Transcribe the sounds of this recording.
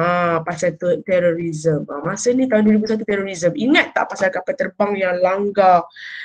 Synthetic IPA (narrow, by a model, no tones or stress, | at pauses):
apasalt̪ut̪ɛɾoɾizəmamasənĩt̪aʊnduəɾibus̬at̪̬ut̪ɛɾoɾizəmiŋat̪ːa̰ʔpasalkapət̪ərbaŋjaŋlaŋɡa